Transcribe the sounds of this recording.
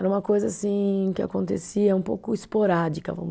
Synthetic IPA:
ɛɾɐũmɐkojzɐasĩkɪa̰kõnt̪esiɐũpowkʊispoɾad͡ʒikɐvɐ̰̃mʊ

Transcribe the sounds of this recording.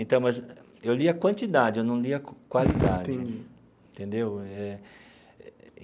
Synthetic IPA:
ẽnt̪ɐ̃w̃mɐz | ewliɐkwɐ̃nt͡ʃ̪id̪ad͡ʒɪewnɐ̃w̃liɐkwalid̪ad͡ʒ̪ẽɪd͡ʒi | ẽnt̪ẽnd̪ewɛ

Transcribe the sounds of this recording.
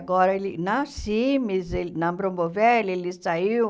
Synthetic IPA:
ɡɔɾɐelɪnɐsimizenɐbɾõmbovɛlelɪsaiw

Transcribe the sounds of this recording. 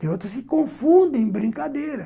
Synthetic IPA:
t̪ẽot̪ɾɐsikõfũnd̪ẽẽbɾĩŋkad̪eɾɐ

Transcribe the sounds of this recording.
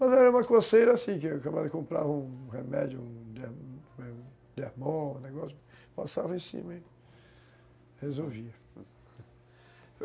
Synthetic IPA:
mɐzɛɾɐũmɐkosejɾɐsĩkɪakabad̪ɪkõmpɾa̰vɐũhemɛd͡ʒʊũd̪e | d̪ehmõũneɡɔsjʊpasavɐẽsḭ̃mɐ̃ | hezoviɐ

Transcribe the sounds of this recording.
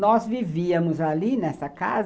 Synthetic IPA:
nɔzviviɐmʊzalinɛsɐka̰z

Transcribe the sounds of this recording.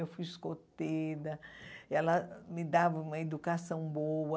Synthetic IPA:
ewfujskot̪ed̪ɐɛlɐmɪd̪avɐũmɐed̪ukasɐ̃w̃bowɐ

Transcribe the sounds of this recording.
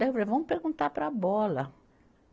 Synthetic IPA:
ɛvevɐ̃w̃peɾɡũnt̪apɾɐbɔlɐ

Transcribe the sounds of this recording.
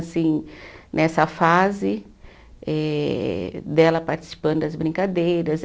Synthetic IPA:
sĩnʔɛsɐfazɪ | ɛ | d̪ɛlɐpaɾt͡ʃi̥si̥pɐ̃nd̪ʊd̪ɐzbɾĩŋkad̪ejɾɐz

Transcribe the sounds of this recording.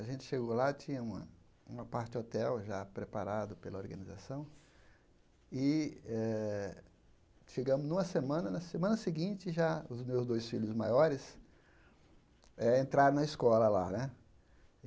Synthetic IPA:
aʒẽnt͡ʃɪ̥ʃeɡowlat͡ʃĩɲɐũmɐ̰ | ũmɐpaɾt͡ʃɪd͡ʒot̪ɛwʒapɾepaɾad̪ʊpelɐoɾɡɐnizasɐ̃w̃ | ɪɛ | ʃeɡɐ̃mʊznũmɐsemɐ̃nɐnɐsemɐ̃nɐsɪɡĩt͡ʃɪʒaʊzmewzd̪ojsfiʎʊzmajɔɾɪs | ɛẽnt̪ɾaɾ̃nɐiskɔlɐla̰nɛ

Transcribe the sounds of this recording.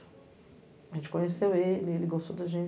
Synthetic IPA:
ɐʒẽt͡ʃɪ̥kõɲesewelɪelɪɡost̪owd̪ɐʒẽ

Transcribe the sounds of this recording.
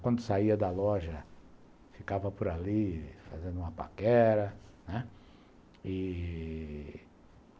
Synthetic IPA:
kwɐ̃nd̪ʊsaiɐd̪ɐlɔʒɐ | fikavɐpʊɾalifazẽnd̪ũmɐpa̰kɛɾɐnɛ | ɪ

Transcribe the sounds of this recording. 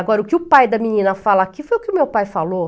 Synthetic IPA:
aɡɔɾɐʊkɪʊpajd̪ɐminĩnɐfalɐakifojʊkɪʊmewpajfalo

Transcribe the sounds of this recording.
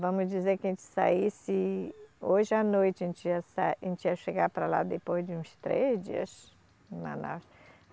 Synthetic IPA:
vɐ̃mʊzd͡ʒizeɾkɪẽnt͡ʃɪ̥sa̰isɪ | oʒɪanojt͡ʃɪẽnt͡ʃiɐsaẽnt͡ʃiɐʃeɡaɾpɾala̰d̪epozd͡ʒɪũst̪ɾezd͡ʒḭɐ̰s | ĩmɐ̰̃na̰

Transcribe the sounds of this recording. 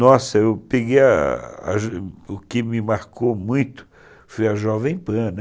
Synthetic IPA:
nɔsɐewpeɡejɐa̰ʒʊkɪmɪmaɾkomũj̃t̪ʊ̥ | fujɐʒɔvẽj̃pɐ̃n

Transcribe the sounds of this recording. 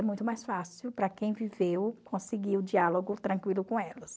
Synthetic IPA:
mũj̃t̪ʊmajsfasiwpɾɐkẽj̃vivewkʰõsɪɡiɾʊd͡ʒialoɡʊt̪ɾɐ̃kwilʊkõɛlɐs

